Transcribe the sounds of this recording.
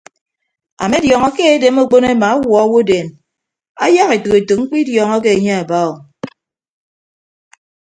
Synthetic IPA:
a̰˨me˦djɔ˨ŋɔ˦ke˦e˦de˨˦m˦o˦k͡po˦ne˦ma˨a˦wɔ˨˦wo˦de˨n | a̰˦ja˦ɣe˨to˨e˨to˨ŋ͡m̩˦k͡pi˦djɔ˨ŋɔ˦k̬e˦e˨ɲe˦a˨ba˦o˨

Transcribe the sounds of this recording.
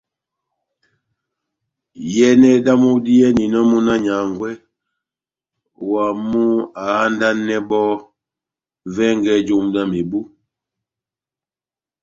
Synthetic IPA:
jɛ˦nɛ˦da˦mu˦di˦jɛ˦ni˨nɔ˦mu˦na˦ɲa˨ŋɡwɛ˦ | wa˨mu˦a˨a˦n˦da˦nːɛ˦bɔ˦ | vɛ˦ŋɡɛ˦d͡ʒo˦mda˦me˨bu˦

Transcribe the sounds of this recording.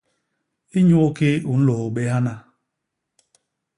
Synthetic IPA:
i˦ɲu˦o˦ke˦u˨n̩˦lo˨o˨ɓe˦ɦa˦na˦

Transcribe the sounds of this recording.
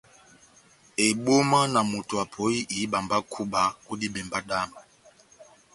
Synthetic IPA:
ɛ˨ɓo˦ma˦na˨mu˨tu˨a˨pʰɔ˨˦i˦ʔi˨˦ɓa˨mba˦kʰu˦ɓa˨ku˦di˦ɓɛ˨mba˦ɗa˦ma˨

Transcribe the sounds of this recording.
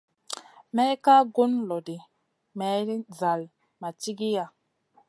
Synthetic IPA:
mɛ˦ka˦ɡo˦nlɔ˨di˨ | mɛ˨˦ɾi˦za˨l | ma˨t͡ʃi˦ɡi˦ja˨

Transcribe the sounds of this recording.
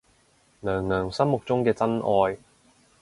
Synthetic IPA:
nœː˨˩ŋnœː˨˩ŋsɐ˥mmʊ˨k̚t͡sʊ˥ŋkɛː˧t͡sɐ˥nʔɔː˧j

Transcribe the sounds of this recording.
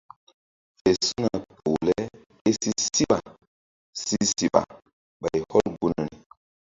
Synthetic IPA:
fe˨su˦na˨pʰo˨lɛ˦ | e˦si˦si˦ɓa˨ | si˦si˨ɓa̰˨ | ɓa˨jhɔ˦lɡu˦na˨ni˨

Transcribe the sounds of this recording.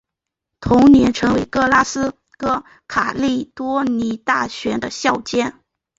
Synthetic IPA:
t̪ʰʊ˧˥ŋnjɛ˧˥nʈ͡ʂʰɤ˧˥ŋwe˧˥ɪkɤ˥la˥sɹ̩˥ | kɤ˥ | kʰa˨˩li˥˩t̪wɔ˥ni˧˥t̪a˥˩ɕɥɛ˧˥nd̪ə˧ɕjɑ˥˩ʊt͡ɕjɛ˥n

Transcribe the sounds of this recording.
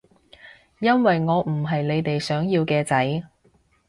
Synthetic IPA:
jɐ˥nwɐ˨jŋɔː˨˧m̩˨˩ɦɐ˨jle˨˧jt̪e˨jsœː˨˥ŋjiː˧wkɛː˧t͡sɐ˨˥j

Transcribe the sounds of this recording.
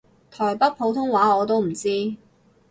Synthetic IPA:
t̪ʰɔː˨˩jpɐ˥t̚pʰo˨˧˥wt̪ʰʊ˥ŋwaː˨˥ɔː˨˧t̪o˥wm̩˨˩t͡siː˥

